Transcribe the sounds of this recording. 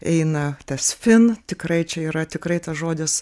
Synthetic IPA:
ɛɪnɐt̪ʲɐsfʲɪnt̪ʲɪkrɐɪt͡ʃʲɛiːɾɐt̪ʲɪkɾɐɪt̪ɐsʒoːd̪ʲɪs

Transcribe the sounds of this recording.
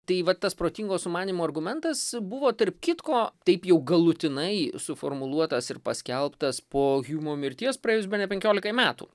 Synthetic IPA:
t̪ɐɪʋɐt̪ːɐspɾoːt̪ʲiŋɡoːssʊmɑːnʲimoːɐrɡʊmʲɛnt̪ɐsbʊʋoːt̪ɐrpkʲɪt̪koːt̪ɐɪpjɛʊɡɐlˠʊt̪ʲɪnɐɪsʊfo̰ːɾmʊlˠuɔt̪ɐsɪɾpɐsʲkʲɛlˠpt̪ɐspoːɣʲuːmoːmʲɪɾʲt̪ʲiɛspɾɐjeːjʊs̬bʲɛnʲɛpʲɛŋʲkʲoːlʲɪkɐmʲæːt̪ṵː

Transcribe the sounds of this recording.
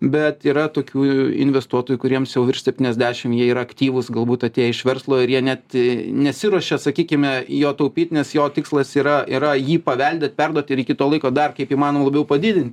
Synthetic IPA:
bʲɛt̪iːɾɐt̪oːkʲuːɪ̰nʲʋʲɛst̪uɔt̪oːjukʊɾʲiɛmsjɛʊʋʲɪrʃʲsʲɛp̚ʲt̪ʲiːnʲɛzʲd̪ʲæːʃʲɪmjiɛiːɾɐɐkt̪ʲiːʋʊsɡɐlˠbuːt̪ɐt̪ʲeːjɪʃʋʲɛrslˠoːɪɾjiɛnʲɛt̪nʲɛsʲɪɾuɔʃʲɛsɐkʲiːkʲɪmʲɛjoːt̪ɐʊpʲiːt̪nʲɛsjoːt̪ʲɪkslˠɐsiːɾɐiɾɐjiːpɐʋʲɛlʲd̪ʲɛt̪̚ʲpʲɛrd̪uɔt̪ʲɪɾikʲɪt̪oːlˠɐɪkoːd̪ɐrkɐɪpiːmɑːnoːmlˠɐbʲɛʊpɐd̪ʲɪd̪ʲɪnʲt̪ʲ

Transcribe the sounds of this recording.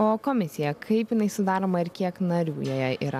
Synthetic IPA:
oːkoːmʲɪsʲɪjɛkʰɐɪpjɪnɐɪsʊd̪ɑːɾoːmɐɪɾkʲiɛknɐɾʲuːjoːjɛḭːɾɐ

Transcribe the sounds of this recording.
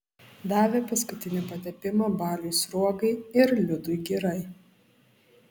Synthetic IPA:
d̪ɑːʋʲeːpɐskʊt̪ʲɪnʲɪpɐt̪ʲɛpʲɪmɐbɑːlʲuːsɾuɔɡɐɪɪɾlʲʊd̪ʊɪɡʲiɾɐɪ

